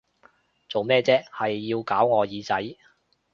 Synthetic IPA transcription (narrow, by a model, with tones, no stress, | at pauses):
t͡so˨wmɛː˥t͡sɛː˥hɐ˨jːiː˧wkaː˨˥wŋɔː˨˧jiː˨˧t͡sɐ˨˥j